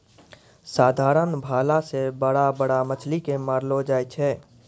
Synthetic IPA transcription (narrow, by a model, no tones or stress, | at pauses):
saːd̪ʱaːɾənbʱaːlasebəɽabəɽamət͡ʃʰlikemaːɾlod͡ʒaːjt͡ʃʰɛː